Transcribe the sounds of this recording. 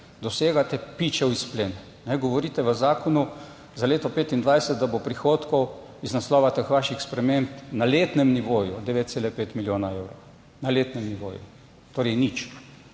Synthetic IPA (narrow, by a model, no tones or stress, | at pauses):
d̪ɔseːɡat̪ɛpit͡ʃɛwisplen | nɛɡɔʋɔɾiːt̪ɛʋəzaːkɔnu | zaleːt̪ɔpeːt̪ind̪ʋajsɛt̪̚d̪abopɾixoːt̪kɔw | iznaslɔːʋat̪əxʋaʃixspɾɛmempnaleːt̪nɛmniʋoːjud̪ɛʋeːt̪t̪seːlɛpeːt̪miljoːnaewɾɔw | naleːt̪nɛmniʋo̰ːjṵ | t̪oːɾɛjnit͡ʃ